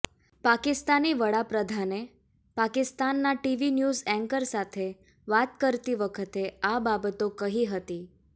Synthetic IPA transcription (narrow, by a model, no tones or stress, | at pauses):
pakɪst̪aniʋəɽapɾəd̪ʱane | pakɪst̪anːaʈiʋinjuzɛ̃ŋkəɾsat̪ʰe | ʋat̪kəɾt̪iʋəkʰət̪eababət̪okəɦiɦət̪i